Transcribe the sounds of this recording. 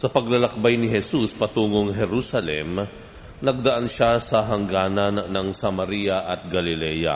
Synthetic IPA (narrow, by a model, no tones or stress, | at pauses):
sɐpɐɡlɐlɐk̚bajnɪɦɛsuspɐt̪uːŋoŋɦɛɾusɐlɛm | nɐɡ̚d̪ɐʔanʃasɐɦɐŋɡaːnɐnːɐŋsɐmɐɾijaʔɐt̪̚ɡɐlɪlɛːja̰